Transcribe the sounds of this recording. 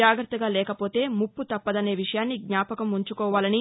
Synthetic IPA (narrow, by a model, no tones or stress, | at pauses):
aːɡɾɐt̪ːɐɡaːlɛːkɐpo̞ːt̪e̞ːmupːut̪ɐpːɐd̪ɐne̞ːʋiʂɐjaːnːiɡɲaːpɐkɐmuɲt͡ʃukɔːʋaːlɐni